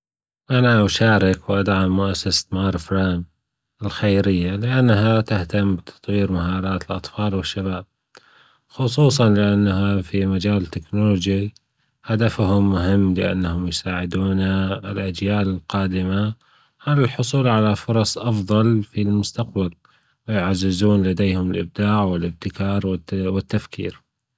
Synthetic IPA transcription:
ʔanaʔaʃaːɾɪkwʔad̪ʕamːʊʔasːasḁt̪maːɾˤfɾaːm | ɪlxajɾɪjːalɪʔanːɦat̪ɪht̪ambɪt̪ʰɑ̥t̪ˤwiːɾmaɦɑːɾˤɑːt̪ɪlʔɑ̰t̪ˤfɑːlwɪʃːaβaːb̚ | xʊsˤuːs̬ˤɑnlɪʔanːaɦafimad͡ʒaːlɪt̪ːɪknoloːd͡ʒi | had̪afhʊmːʊɦɪmːlɪʔa̰nːahʊmjsaːʕɪd̪uːnaɪlʔad͡ʒjaːlɪlqɑːd̪ɪma | haːlɪlħʊsˤuːlʕalafʊɾˤɑsˤʔɑfðˤɑlfilmʊst̪aq̚bal | wɪjʕazːɪzuːnlad̪eːhʊmɪlʔɪb̚d̪aːʕwɪlʔɪb̚t̪ɪkɑːɾˤwɪt̪ːafkʰḭːɾ

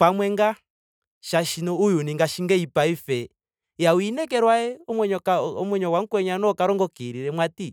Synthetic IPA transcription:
pamwɛŋɡa | ʃaʃinɔujuniŋɡaʃiŋɡɛipaifɛ | jawinɛkɛɾwaɛɔmwɛɲɔkaɔmwɛɲɔwaŋ̩kwɛɲanɔkaɾɔŋɡɔkiɾiɾɛmwati

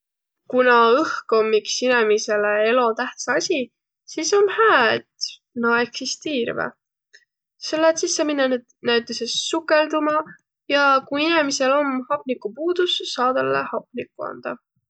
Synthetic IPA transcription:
kunɑɤhko̞mːiksinemise̞lee̞lo̞t̪æht̪sɑɑsʲi | siːso̞nhæːt̪ | nɑe̞ksist̪iːɾvḛ | se̞lːet̪sisːeminːened̪næɥt̪ːˑesesːukːˑe̞ld̪umɑ | jɑkuinemise̞lo̞mhɑpˑnikːˑupuːd̪̥usːɑːd̪̥ɑlːḛhɑp̚ˑnikːˑuɑ̰nd̪̥ɑ̰

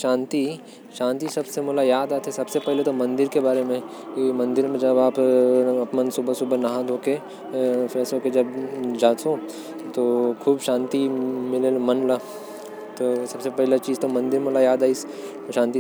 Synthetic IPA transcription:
ʃãːnt̪i | ʃãːnt̪isɐbsemoːlajaːd̪aːt̪ʰesɐbsepɛɦlet̪omɐ̃nd̪ɪɾkebaːɾemẽ | kimɐ̃nd̪ɪɾmẽd͡ʒɐbaːpɐpnənsʊbəsʊbʱənɐɦãd̪ʱoːke | fɪsoːked͡ʒɐbd͡ʒaːt̪õ | t̪oːkʰuːbʃaːnt̪imɪlelomɐnla | t̪oːsɐbsepɛɦlet͡ʃiːzt̪omɐ̃nd̪ɪɾmoːlajaːd̪aːis | ʃãːnt̪i

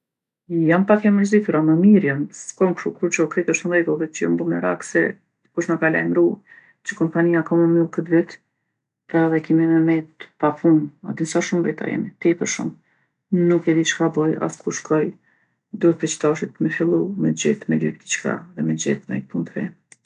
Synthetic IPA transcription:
jampakɛməɾzit̪uɾaməmiɾjamskɔmkʃukuɾt͡ʃəkɾɛk̪əʃt̪nvɛɡəlˠðɛt͡ʃəjɔ̰mbɔmɛɾa̰ksɛ̰ | kuʃnakala̰jmɾu | t͡ʃəkɔmpanijakaməmilˠkət̪vɛt̪ | paðɛkimimɛmɛt̪papʰuna̰d̪insaʃumvɛt̪a̰jɛ̰mit̪ɛpəʃṵm | nukɛd̪it͡ʃkabɔja̰skʰuɾʃkɔj | d̪uhɛt̪̚pɛt͡ʃə̥t̪aʃit̪mɛfilˠumɛd͡ʑɛt̪mɛlik̚d̪it͡ʃka̰ðɛmɛd͡ʑɛ̰t̪mɛ̰jt̪̚punt̪ɾɛ̰

